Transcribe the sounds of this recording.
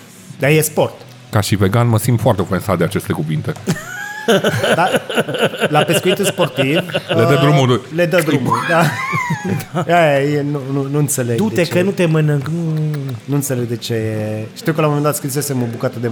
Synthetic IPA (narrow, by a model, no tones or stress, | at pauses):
d̪ajespo̞rt̪ | kaʃiveɡanməsint̪foart̪eofensat̪̚d̪eat͡ʃe̞st̪ekuvint̪e̞ | d̪a | lape̞skuit̪ulspo̞rt̪ivled̪əd̪ɾumulujled̪əd̪ɾumuld̪a | aejenununuɨnt̪se̞leɡ̪t̪eekənut̪emənɨŋknunuɨnt̪sele̞ɡ̚d̪e̞t͡ʃe̞jeʃt̪iwkəlamomend̪at̪skɾis̬e̞se̞mobukat̪əd̪e